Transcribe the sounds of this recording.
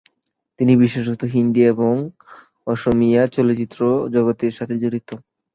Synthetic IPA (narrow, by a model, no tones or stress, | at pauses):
t̪inibiʃoʃot̪ʰːoɦind̪ieboŋ | ɔʃomijat͡ɕɔlott͡ɕit̪ːɾod͡ʑɔɡot̪eɾʃat̪ʰed͡ʑoɽit̪o